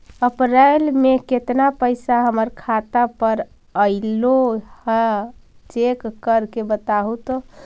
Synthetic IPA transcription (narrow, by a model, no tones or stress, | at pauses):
əpɾalmeket̪napəɪsaɦəməɾkʰat̪apəɾ | əɪlohɛt͡ʃekːəɾkebət̪aɦut̪ɔ